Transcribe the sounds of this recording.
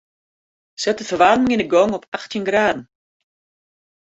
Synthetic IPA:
sɛtəfəʋaːrmɪŋɪnəɡɔŋɔpʰaxtjənɡraːdn̩

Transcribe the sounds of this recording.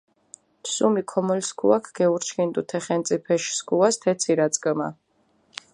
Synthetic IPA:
psumikʰɔmɔlskʰṵakʰɡ̥ɛuɾt͡ʃʰkint̪ʼut̪ʰɛχɛnt̪sʼipʰɛʃskʰuast̪ʰɛt̪sʰiɾat̪sʼkʼma̰

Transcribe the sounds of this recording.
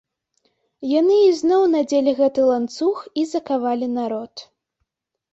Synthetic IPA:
janɨiznɔwnad͡zʲelʲiɣɛt̪ɨlˠant̪suxizɐkavalʲinaɾɔt̪

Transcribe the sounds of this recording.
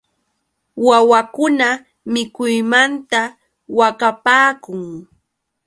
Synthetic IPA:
wawakʊna | mɪkʊjmant̪a | wakapaːkʊŋ

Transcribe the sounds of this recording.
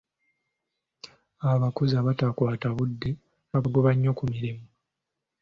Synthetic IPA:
aβakozaβatakwaːtaβudːe̞ | aɡoβaɲːo̞kumiɾimu

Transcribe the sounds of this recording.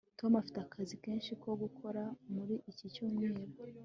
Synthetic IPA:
to̞mafi̥teakʰazike̞ːnʃiko̞ɡukʰo̞ɾamuɾiʔicicumŋiːɾo

